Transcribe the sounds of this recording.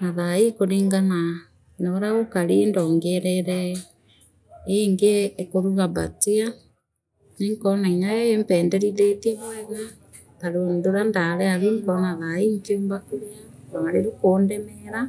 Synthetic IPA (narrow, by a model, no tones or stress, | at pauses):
naðaikoɾeŋɡana | naɾaɣokaɾendɔːŋɡɛɾɛɾɛ | eŋɡekoɾuɣaba̰tia | neŋkɔnaiɲaɛempɛːndɛɾiðetiɛβoɛna | taɾondoɾandaɾɛaðuŋkɔnaðaim̩keombakuɾiaɾamaɾeɾukoːndɛmɛɾa